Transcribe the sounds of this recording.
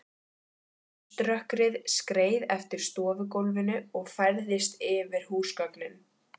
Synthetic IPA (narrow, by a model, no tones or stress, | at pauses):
t̪ɾœhkɾɪðskɾeːjðɛft̪ɪɾ̥st̪ɔːvʏkowlvɪnʏɔɣfaɾðɪst̪ɪvɪɾ̥huːskœknɪn